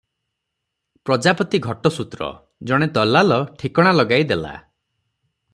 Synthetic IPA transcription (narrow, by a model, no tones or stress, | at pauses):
pɾɔd͡ʒapɔt̪iɡʱɔʈɔsut̪ɾɔ̰ | d͡ʒɔɽ̃et̪ɔlalɔʈʰikɔɽ̃alɔɡajd̪ela̰